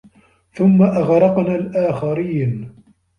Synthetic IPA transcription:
θʊmːaʔaɣɾˤɑqnaːlʔaːxaɾiːn

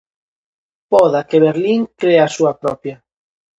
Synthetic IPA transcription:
pɔðakeβeɾliŋkɾeasuapɾɔpja

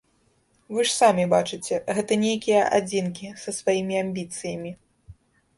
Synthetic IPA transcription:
vɨʂsamʲibat͡ʂɨt͡sʲɛɣɛt̪ɐnʲejkʲijɐʔa̰d͡zʲinkʲisɐsvajimʲiamʲbʲit̪sɨjɐmʲi

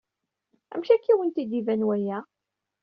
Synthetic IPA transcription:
æ̰mʃækːiwənt̪id̪ivænwæjæ

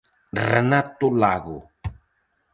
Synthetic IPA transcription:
rənat̪ulaɣu

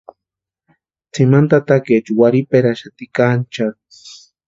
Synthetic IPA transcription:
t͡simant̪at̪aket͡ʃuwaɾipeɾaʃat̪ikant͡ʃa

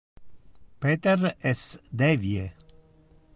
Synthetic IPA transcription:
pet̪eɾesd̪evje

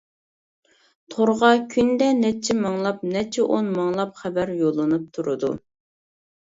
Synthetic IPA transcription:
t̪ʰoɾʁɑkʲʰynd̪ɛnɛt͡ʃʰimɑŋlˠɑp̚nɛt͡ʃʰɛʔonmɑŋlˠɑpχæbæɾjolˠɨnɨp̚t̪ʰuɾɨd̪u

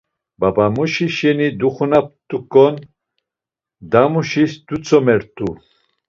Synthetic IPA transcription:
babamuʃiʃɛnid̪uχunap̚t̪ʼukʼɔn | d̪amuʃisd̪ut͡sʰʼɔmɛɾt̪ʰʼu

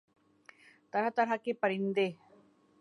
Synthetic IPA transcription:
t̪ɐɾat̪ɐɾakepɐɾɪ̃nd̪e

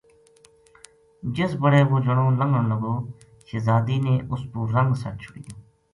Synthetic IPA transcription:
d͡ʒɪsbəɽeːʋoːd͡ʒəɳõːləŋɡəɳləɡoː | ʃezaːd̪iːneːʔʊspuːɾəŋɡsət͡ʃt͡ʃʰʊɽḭː

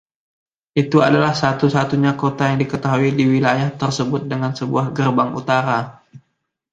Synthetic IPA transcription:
ʔit̪ua̰dalahsat̪usat̪uɲakot̪ajaŋdikət̪aɦuidiwilajaht̪ərsəbʊt̪̚dəŋansəbuahɡərbaŋṵt̪aɾa

